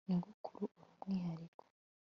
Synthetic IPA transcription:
niŋɡukʰuɾuʔuɾumŋiːɦaɾiko̥

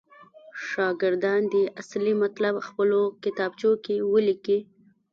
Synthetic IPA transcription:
ʃɑɡɪɾd̪ɑnd̪əʔaslimat̪labxpəlokɪt̪ɑbt͡ʃokewəliki

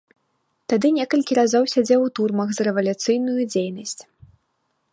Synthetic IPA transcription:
t̪ad̪ɨnʲɛkɐlʲkʲiɾazɔwsʲad͡zʲɛwt̪urmɐɣzrɛvɐlʲut̪sɨjnujud͡zʲejnɐsʲt͡sʲ

